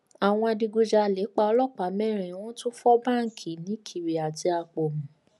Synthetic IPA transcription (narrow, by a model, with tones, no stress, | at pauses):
a˨w̃ɔ̃˧a˧di˧ɡo˧d͡ʒa˧˨le˨˦k͡pa˧ɔ˧lɔ˦˨k͡pa˨˦mɛ˦˨ɾ̃ĩ˨˦w̃ɔ̃˦tu˦fɔ˦ba˦˨ŋ̩˨kʰi˨nĩ˨˦kʰi˨ɾe˨a˨ti˧a˧k͡pɔ˨mũ˨